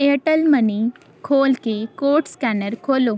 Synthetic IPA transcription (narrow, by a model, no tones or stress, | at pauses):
eʈəlməni | kʰolkekoʈskanəɾkʰolo